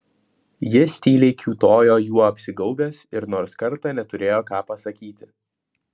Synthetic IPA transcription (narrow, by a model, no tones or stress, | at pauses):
jɪsʲt̪ʲiːlʲeɪkʲuːt̪oːjoːjuɔɐpʲsʲɪɡɐʊbʲɛːsɪɾnoːɾskɐɾt̪ɑːnʲɛt̪ʊɾʲeːjoːkɑːpɐsɐkʲiːt̪ʲɪ